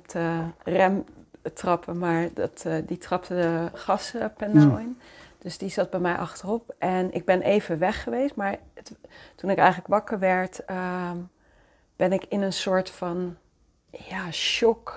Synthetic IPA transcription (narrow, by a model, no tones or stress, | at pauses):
ptərɛmtrɑpʰəmaːɹdɑ̰tditrɑptədəχɑspɛndəɔjnd̥ɵsdizɑd̚bɛjmɛjʔɑ̰χtərɔpʔɛnɪ̰ɡ̚bɛnʔejvəʋɛχəʋestmaːɹəttunɪkɛjχələkʋɑkəɹʋɛɹtə | b̥ɛnɪkɪnənsʊːɹtfɑn | jaːʃɔk